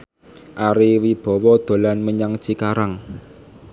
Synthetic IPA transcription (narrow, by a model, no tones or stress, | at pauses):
ʔaɾiwib̥ɔ̤wɔd̪̥o̤lanməɲaŋ̥t͡ʃikaɾaŋ